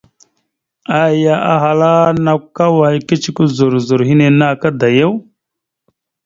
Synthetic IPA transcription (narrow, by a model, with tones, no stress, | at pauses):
a˦ja˨ʔa̰˦ɦa˨la˦na˨kkːa˦wa˨i˦ki˦t͡ʃi˦ku˦zu˨ɾzu˨ɾɦi˦ne˨na˦˨ka˦d̪a˨je˦w